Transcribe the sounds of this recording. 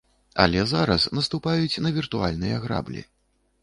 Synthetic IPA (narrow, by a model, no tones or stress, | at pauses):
ɐ̰lʲɛzaɾɐsnɐst̪upajut͡sʲnɐvʲirt̪ualʲnɨjɐɣɾa̰blʲḭ